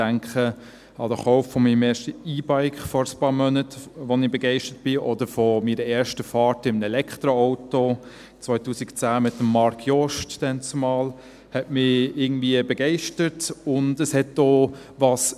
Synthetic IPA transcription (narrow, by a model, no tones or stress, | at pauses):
æŋkχə | ɑdəχɔʊffɔmiːəmɛːʃtəiːbaɪkχfɔɾəspɑːɾmœnətʋɔnɪbɛɡɛɪʃtət̚b̥ɪʔɔdəɾfɔmiːɾəɛːɾʃtəfɑːtɪmənɛlɛkχtɾɔɔʊto | t͡sʋœɪtuːsikt͡sæːmɪtːəmːɑɾkʰjɔʃtd̥ɛnt͡sumɑːl | hɛtmɪɪɡŋ̩dviəbɛɡɛɪʃtətʊndəshɛtdoː | ʋɑs